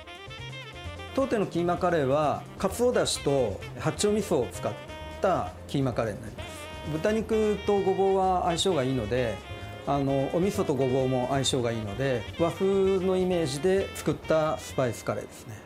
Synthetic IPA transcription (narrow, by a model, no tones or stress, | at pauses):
t̪o̞ːt̪e̞no̞kʲiːmakaɾe̞βakat͡sɨo̞d̪aɕi̥t̪o̞ | hat͡ɕio̞mʲisoːt͡sɨ̥kat̪ː | akʲiːmakaɾe̞̰ɲ̟ina̰ɾʲimasɨ̥ | bɯ̟t̪aɲ̟ikɯ̟t̪o̞ɡo̞bo̞ːβaːiɕo̞ːɡaiːno̞d̪e̞ | ano̞ʔomʲisot̪o̞ɡo̞bo̞ːmo̞ʔaiɕo̞ːɡaiːno̞̰d̪e̞βaɸɯno̞ime̞ːʑid̪e̞t͡sɨ̥kɯ̟t̪ːasɨ̥paisɨ̥kaɾe̞̰ːd̪e̞sɨ̥ne̞